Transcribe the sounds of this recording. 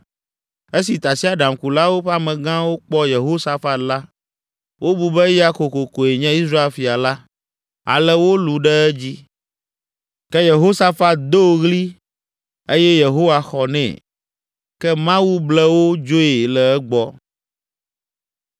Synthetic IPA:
e˦si˨t̪a˨si˦a˨ɖa˨mku˨la˦wo˦ɸɛ˦a˦mɛ̃˨ɡã˦wo˦k͡pɔ˦je˨ɦo˦sa˦fa˨t̪la˦ | wo˦bu˨bɛ˦ja˦ko˨ko˨ko˨e˨ɲɛ̃˦i˦s̬ɾa˦e˨lfi˨a˨la˦ | a̰˨lɛ˦wo˦lu˨ɖɛ˦ɛ˦d͡ʑi˦ | kɛ˦je˨ɦo˦sa˦fa˦t̪̚d̪o˦ɣli˦ | e˦jɛ˦je˨ɦo˦wa˨xɔ˨nɛ̰̃˨ | kɛ˦mã˦wu˦blɛ˦wo˦d͡ʒo˦e˨lɛ˨ɛ˦ɡ͡bɔ˦

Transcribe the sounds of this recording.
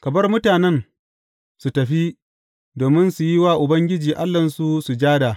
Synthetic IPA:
kɐ˨bɐ˦rmʊ˦taː˨nɛ˦n | su˨tɐ˨ɸi˦ | doː˨mɪ˦nsu˨ji˦waː˦˨ʔʊ˨bɐ˦ŋɡʲɪ˦d͡ʒiː˨ʔa˦lːɐ˨nsu˦su˨d͡ʒaː˦da˨

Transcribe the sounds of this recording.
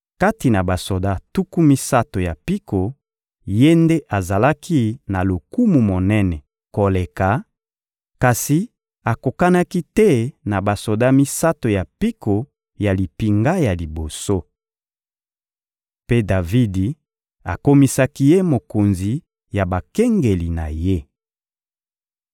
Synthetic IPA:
ka˦ti˨na˨ba˨so˨da˦tu˦ku˦mi˦sa˦to˨ja˨pi˦ko˨ | je˦nde˦ʔa˨za˨la˦kʰi˦na˨lo˨ku˦mu˨mo˨nɛ˦nɛ˨ | ko˨le˨ka˨˦ | ka˨si˨ | a˨ko˨ka˦na˦ki˦tɛ˦na˨ba˨so˨da˦mi˦sa˦to˨ja˨pi˦ko˨ | ja˨li˨pi˨ŋɡa˦ja˨li˨bo˨so˦ | pe˦da˨vi˦di˨ | a˨ko˦mi˦sa˦ki˦je˦mo˨ko˨nzi˨ | ja˨ba˨kɛ˦ŋɡe˨li˨na˨je˦

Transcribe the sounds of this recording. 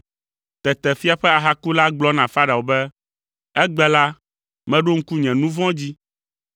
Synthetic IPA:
t̪ɛ˨t̪ɛ˨fi˦a˨ɸɛ˦a˨ɦa˦ku˦la˦ɡ͡blɔ˦nã˨fa˦ɖa˨wo˨bɛ˦ | ɛ˦ɡ͡bɛ˦la˦ | mɛ̃˦ɖo˦ŋ̩˦ku˦ɲɛ̃˨nũ˦vɔ̃˦d͡ʑi˦

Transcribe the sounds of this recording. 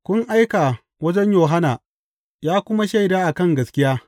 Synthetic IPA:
kʷʊ˦ŋʔa˦jkaː˨ | wɐ˦d͡ʒɛ˦ɲjoː˨ɦa˦naː˨ | jaː˦kʷʊ˦ma˦ʃa˦˨jdaː˦ʔa˨kɐ˦ŋɡɐ˨skʲɪ˦jaː˦

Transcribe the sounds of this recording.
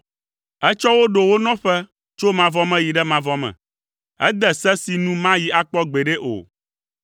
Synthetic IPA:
ɛ˦t͡ʃɔ˦wo˦ɖo˨wo˦nɔ̃˦ɸɛ˦ | t͡ʃo˦mã˨vɔ˦mɛ̃˦ji˨ɖɛ˦mã˨vɔ˦mɛ̰̃˨ | ɛ̰˦d̪ɛ˨sɛ˦si˨nũ˦mã˦ji˨a˦k͡pɔ˦ɡ͡be˨ɖe˦ʔo̰˨

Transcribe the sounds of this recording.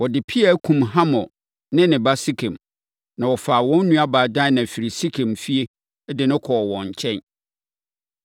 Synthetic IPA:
wɔ˨dɪ˨pʰi˦a˨˦kʰũ˨mɦã˦mɔ̃˨ | nɪ̃˦nɪ̃˨ba˦si˦kʰẽ˨m | nã˨wɔ˨faː˨wɔ̃˦nːũ˦a˦baː˨dã˦nã˨fi˨ɾi˨si˦kʰẽ˨mfi˦e˦ | dɪ˨nʊ̃˦kʰɔ˨wɔ̃˨ɲ̩˨t͡ɕʰɛ̃˦n

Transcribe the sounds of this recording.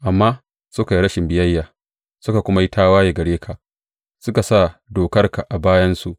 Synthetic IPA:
ʔa˨mːaː˦ | sʊ˦ka˨ji˦ɽɐ˦ʃɪ˨mbɪ˨jɐ˦jːaː˨ | sʊ˦ka˨kʷʊ˦ma˦ji˦tʰaː˦waː˦je˨ɡɐ˨ɽeː˦kʰa˨ʔ | sʊ˦ka˨sa˦˨doː˨kɐ˦rka˨ʔa˨baː˦jɐ˦nsu˨ʔ

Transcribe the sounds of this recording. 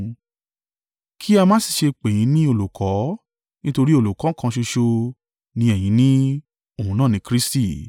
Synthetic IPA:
kʰi˦a˧mãː˦si̥˦˨ʃe˧k͡pẽ˨ĩ˨˦nĩ˦o˦˨lu˨kʰɔ˨˦ | nĩ˦to˧ɾi˦o˦˨lu˨kã˨˦kã˧ʃo˧ʃo˧ | nĩ˧ɛ˨j̃ĩ˨˦nĩ˦ | o˨ũ˨˦nãː˦˨nĩ˨˦kɾi˦sti˦˨

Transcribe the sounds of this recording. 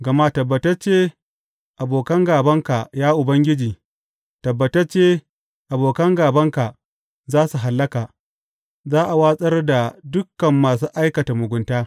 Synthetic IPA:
ɡɐ˨ma˦tɐ˨bːɐ˨tɐ˦rt͡ʃeː˦ | ʔa˨boː˨kɐ˦ŋɡaː˨bɐ˦ŋka˨jaː˦ʔʊ˨bɐ˦ŋɡʲɪ˦d͡ʒiː˨ | tɐ˨bːɐ˨tɐ˦rt͡ʃeː˦ | ʔa˨boː˨kɐ˦ŋɡaː˨bɐ˦ŋka˨ | zaː˦su˨ɦa˨lːɐ˦kaː˨ | zaː˦ʔa˨waː˦sʼɐ˦rda˨dʊ˦kːɐ˨mːaː˨s̬uː˦ʔa˦jkɐ˨ta˨mʊ˨ɡʷʊ˦ntaː˦

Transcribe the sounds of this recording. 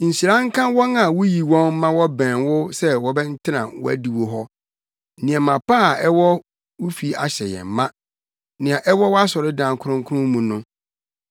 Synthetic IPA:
n̩˨si˨ɾã˦ŋ˦kʰã˦wɔ˦nã˨wʊ˦ji˨wɔ̃˦n˦mã˦wɔ˦bæ̃ː˨nwʊ˦sɛ˦wɔ˨bɛ˦n̩˦tʰɪ˦nã˨wɔ̰˦æ̰˦˨di˨wo˨ɦɔ˦ | nɪ̃˨ɛ˨mã˨pa˦˨ɛ˦wɔ˦ | wʊ˦fi˨˦a̰˨ɕɛ˨jɛ̰˨m̩˨mã˦ | nɪ̃˨ã˨ʔɛ˦wɔ˦wɔ˦a˦sɔ˨ɾɪ˦dã˨ŋ˨kʰʊ˦ʊ̃˦ŋ˦kʰʊ˦ʊ̃˦m˦mũ˨nʊ̃˦

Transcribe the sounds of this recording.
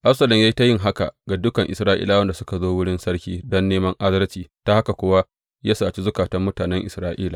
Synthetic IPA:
ʔa˦psɐ˦lɔ˨mja˦jta˦jɪ˦ŋɦa˦ka̰˨ɡa˨dʊ˦kɐ˨ŋʔɪ̰˨sɾaː˦ʔḭ˦la˨wɐ˦nda˨sʊ̥˦ka˨zoː˦wʊ˦ɽɪ˦nsɐ˦rkʲiː˦dɔ˦nːeː˦mɐ˦ŋʔa˦zɐ˦ɾt͡ʃiː˨ta˦ha˦ka˨kʷʊ˦wa˦ | ja˦saː˨t͡ʃi˦zʊ˦kaː˨tɐ˦mːʊ˦taː˨nɛ˦ŋʔɪ˨sɾaː˦ʔiː˦la˨

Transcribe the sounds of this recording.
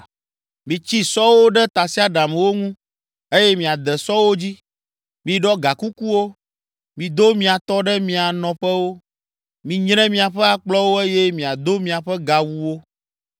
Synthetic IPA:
mĩ˨t͡ɕi˦sɔ˦wo˦ɖɛ˦t̪a˨si˦a˦ɖa˨mɛ˨wo˦ŋũ˦ | e˦jɛ˦mĩ˨a˨d̪ɛ˨sɔ˦wo˦d͡ʑi˦ | mĩ˨ɖɔ˦ɡa˨ku˦ku˦wo˦ | mĩ˨d̪o˦mĩ˦a˨t̪ɔ˦ɖɛ˦mĩ˨a˨nɔ̃˨ɸɛ˦wo˦ | mĩ˨ɲnɛ̃˦mĩ˦a˨ɸɛ˦a˨k͡plɔ˦wo˦e˦jɛ˦mĩ˨a˨d̪o˦mĩ˨a˨ɸɛ˦ɡa˨wu˦wo˦

